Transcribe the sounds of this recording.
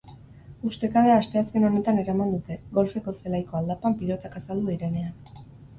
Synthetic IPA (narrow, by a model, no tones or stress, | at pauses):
ust̪e̞kaβe̞aːst̪e̞aske̞no̞ne̞t̪ane̞ɾamand̪ut̪e̞ɡo̞lfe̞ko̞se̞lajko̞ald̪apampilo̞t̪akasald̪uiɾe̞ne̞an